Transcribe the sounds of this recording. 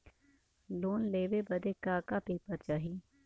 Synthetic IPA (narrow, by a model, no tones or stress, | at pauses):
loːnleːʋebɐd̪ekaːkapeːpəɾt͡ʃaːɦi